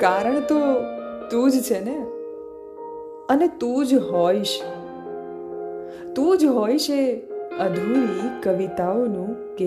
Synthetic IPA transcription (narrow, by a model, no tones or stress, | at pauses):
kaɾəɳt̪ot̪ũd͡ʒt͡ʃʰene | ənet̪ũd͡ʒɦɔiʃ | t̪ũd͡ʒɦoiʃeəd̪ʱulikəʋit̪aonũke